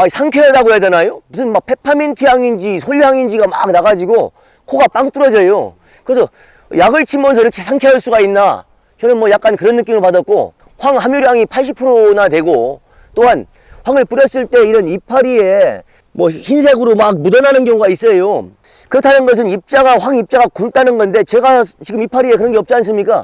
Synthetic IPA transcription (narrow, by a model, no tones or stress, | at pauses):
aisʰaŋkʰeadaɡoɦeadenajomus̬ʰɯnmak̚pʰe̞pʰamintʰɯjaŋind͡ʑisʰoʎːiɦaŋind͡ʑiɡama̰k̚naɣad͡ʑiɡo | kʰoɡap͈aŋt͈uɾʌd͡ʑʌjo | kɯɾesʰʌ | jaɡɯɭt͡ɕʰimːʌns̬ʰʌiɾʌkʰe̞sʰaŋkʰeʌɭs͈uɡainːa | t͡ɕʌnɯnmwʌjak̚k͈ankɯɾʌnːɯk͈iŋɯɭpadʌt̚k͈o̰ | ɸwaŋɦamuɾiɦaŋipʰaɭɕ̬ʰipʰɯɾonadwe̞ɡo | t͈oɦan | ɸwaŋɯɭpuɾjʌs͈ɯɭt͈e̞iɾʌnipʰaɾie | mwʌçins̬ʰeɡɯɾomak̚mudʌnanɯnɡjʌŋuɡais͈ʌjo | kɯɾʌtʰanɯnɡʌs̬ʰɯnip̚t͡ɕ͈aɣaɸwaŋip̚t͡ɕ͈aɡakuɭt͈anɯnɡʌnde̞t͡ɕe̞ɡat͡ɕiɡɯmipʰaɾie̞kɯɾʌnɡeʌp̚t͡ɕ͈ians̬͈ɯmɲik͈a̰